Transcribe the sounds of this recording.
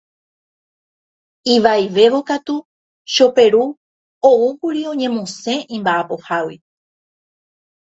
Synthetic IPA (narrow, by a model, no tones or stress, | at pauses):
iʋaiʋe̞ʋo̞kat̪u | ʃo̞pe̞ɾu | oukuɾiõ̞ɲẽ̞mõsẽ̞ʔĩmbaʔapo̞hawi